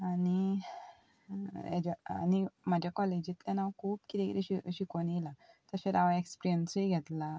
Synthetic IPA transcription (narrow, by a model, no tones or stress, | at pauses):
ani | ḛd͡ʑaa̰nimad͡ʑʱjakɔled͡ʑit̪lɛnawkʰuːpkit̪ekit̪iɕiɕikɔnijilat̪əsɕeɾaʋaekspɾijənsiɡʱɛt̪la